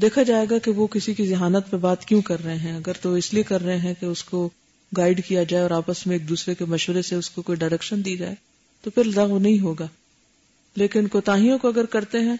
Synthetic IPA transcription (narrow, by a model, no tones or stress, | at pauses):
d̪eːkʰad͡ʒaːeːɡakeʋokɪsikizɐɦaːnət̪̚pebaːt̪kjũkɐɾːɐɦẽɦɛ̃ɐɡəɾt̪oɪsliekɐɾːɐɦẽɦɛ̃keʊsko | ɡaːɪɖkijad͡ʒaːeɔːɾaːpəsmẽeːk̚d̪uːsɾekemɐʃʋəɾeseʊskokoːiɖaɪɾɛkʃənd̪iːd͡ʒa̰ːe | t̪opʰɪɾzɐɣʋnɐɦĩɦoːɡaː | leːkɪnkoːt̪aːɦijõkoɐɡəɾkɐɾt̪eɦɛ̃ː